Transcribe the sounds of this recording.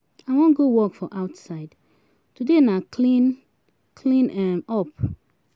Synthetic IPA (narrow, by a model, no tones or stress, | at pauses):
aɪwɔ̃nɡowɔkfɔʔaʊtsaɪd | tudenakʰlĩn | kʰlĩnɛmɔp